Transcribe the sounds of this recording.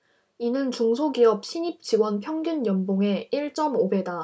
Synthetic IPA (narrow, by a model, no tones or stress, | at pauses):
inɯnt͡ɕuŋsʰoɡiʌp̚ɕʰiɲip̚t͡ɕiɡwʌnpʰjʌŋɡunjʌnboŋe̞iɭt͡ɕ͈ʌmobe̞da